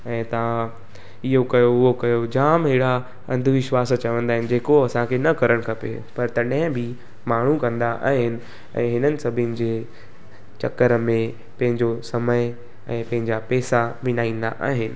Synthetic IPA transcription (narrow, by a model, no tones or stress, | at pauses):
ɛ̃ːt̪ɐã | ɪɦokɐjoʊɦokɐjod͡ʑaːmɦɪɽa | ɐ̃nd̪ʱʋɪʃwaːst͡ɕɐʋə̃nd̪aːɦɪnɪ̆d͡ʑeːkoɐsãkʰenɐkɐɾəɽ̃kʰɐpḛ | pɐɾt̪ɐɗɦɪ̃bʱɪ | maːɳ̤ukɐ̃nd̪aʔa̰ːɦɪnɪ̆ | ɛ̰̃ːɦɪnənɪ̆sɐbʱɪənɪ̆d͡ʑeː | t͡ɕɐkːəɾəmẽ | pɐ̃ɦɪ̃ɲd͡ʑosɐməjɪ | ɛ̃ːpɐ̃ɦɪ̃ɲd͡ʑapɛːsamɪnaːĩːnd̪a̰ʔaːɦɪnɪ̆